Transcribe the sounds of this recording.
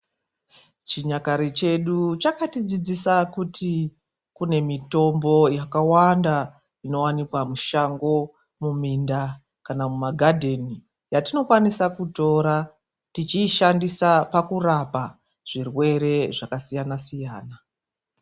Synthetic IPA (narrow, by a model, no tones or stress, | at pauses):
t͡ʃiɲakaɾit͡ʃe̞ɗut͡ʃakatid͡zid͡zisakutʰi | kune̞mito̞mbo̞jakawanda | ino̞wanikwamuʃaŋɡo̞ | muminda | kanamumaɡʱadʱe̞ni | jatino̞kwanisakuto̞ːɾa | tit͡ʃiːʃandisapakurapa | ʐ̥irwe̞ɾe̞ʐakasijanasijaːna